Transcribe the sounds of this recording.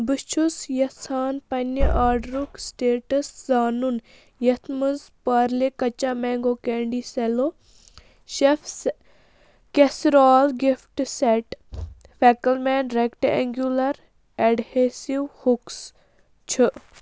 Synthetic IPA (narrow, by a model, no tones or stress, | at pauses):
bɨt͡ʃʰusjɐsaːnpɐnəʔaːɖɾuksʈeːʈəszaːnun | jɐt̪ʰmənzpaɾlekɐt͡ʃamɛ̃ːŋɡoːkɛːɳɖisɛlo | ʃefs | kesɾaːlɡifʈseʈfɛːkəlmɛːnɖɾekʈɛŋɡjulɐɾ | ɛɖhesiwhuks | t͡ʃʰɨ